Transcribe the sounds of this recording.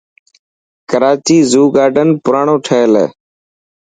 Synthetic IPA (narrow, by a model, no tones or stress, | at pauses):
kəɾaːt͡ʃiːzuːɡaːɖənpʊɾaːɳõːʈʰəelḛː